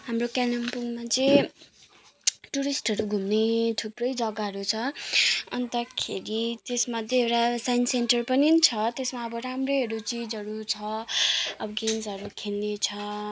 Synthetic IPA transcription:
ɦamrokanʌmpuŋmat͡sẽ | ʈuɾisʈɦʌɾuɡʱumnet̪ʰubrʌjd͡zʌɡaɦʌɾut͡sʰʌʌnt̪ʌkʰeɾit̪esmʌd̪ʱjeewɾasajnsenʈʌrpʌninit͡sʰʌt̪esmaʌbʌɾamreɦʌɾut͡sid͡zʌɾut͡sʰʌ | ʌbʌɡensʌɾukʰelnet͡sʰʌ

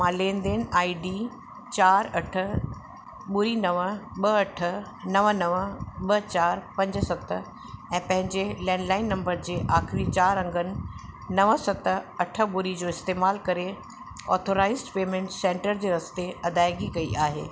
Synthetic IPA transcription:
mãːlẽːnd̪eːnaːiɖi | t͡ɕaːɾɐʈʰə̆ | ɓʊɾinɐʋəɓɐɐʈʰə̆ | nɐʋənɐʋəɓɐt͡ɕaːɾpɐ̃ɲd͡ʑ̆sɐt̪ə̆ | ɛ̃ːpɐ̃ɦɪ̃ɲd͡ʑelɛ̃ːɳɖlaːɪnːɐ̃mbəɾd͡ʑeːʔaːxɪɾit͡ɕaːɾɐ̃ŋɡənɪ̆nɐʋəsɐt̪ə̆ɐʈʰə̆bʊɾid͡ʑoːɪst̪eːmaːlkɐɾe | ɔ̰ːt̪ʰoɾaːɪzɖpeːmẽɳʈsẽːɳʈəɾd͡ʑeːɾɐst̪eɐd̪aːɪɡikɐiʔaːɦḛː

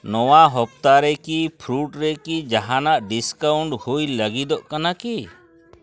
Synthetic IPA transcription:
nɔwaɦɔp̚t̪aɾɛkipʰɾuʈɾɛkid͡ʒaɦanaʔɖiskawɳʈhujləɡid̪ɔʔkanaki

